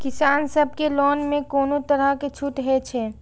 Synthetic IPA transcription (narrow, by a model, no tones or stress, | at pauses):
kɪsaːnsəb̚ʱkelɔːnmẽkoːnot̪əɾəket͡ʃʰut̪ɦɛt͡ʃʰɛː